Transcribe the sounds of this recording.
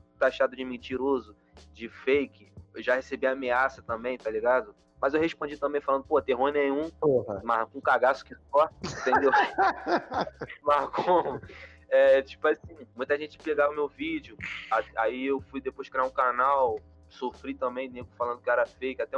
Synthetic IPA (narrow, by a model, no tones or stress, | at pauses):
t̪aʃad̪ʊd͡ʒɪmẽt͡ʃiɾozʊ | d͡ʒɪfejkɪewʒahesebiameasɐt̪ɐ̃mbẽj̃t̪aliɡad̪ʊ | mɐzewɦeʃpõd͡ʒit̪ɐ̃bẽj̃falɐ̃nd̪ʊpohɐt̪eɦõj̃nẽj̃ũpooɦɐmahkõũkaɡasʊ̥kɪsɔĩt̪ẽd̪ew | mahko | ɛt͡ʃi̥pʊasĩmũj̃t̪ɐʒẽnt͡ʃɪ̥peɡavɐʊmewvid͡ʒɪʊaaiewfujd̪epojʃkɾiaɾũkanaw | sofɾit̪ɐ̃mbẽj̃nẽɡʊfalɐ̃nd̪ʊkɪɛɾɐfejkɪat̪ɛ